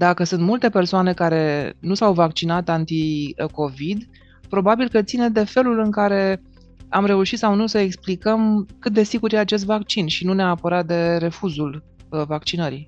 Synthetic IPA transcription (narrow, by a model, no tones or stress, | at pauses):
d̪akəsɨnt̪mult̪e̞pe̞rsoane̞kaɾe̞nusawvakt͡ʃinat̪ant̪iko̞vid̪ | pɾo̞babilkət̪sined̪e̞fe̞lulɨŋkaɾe̞ | amɾe̞uʃit̪sawnusəeksplikəmkɨt̪̚d̪e̞siɡuɾjeat͡ʃe̞s̬t̪vakt͡ʃinʃinuneaaːpəɾat̪̚d̪e̞ɾe̞fuzul | vak̚t͡ʃinəɾi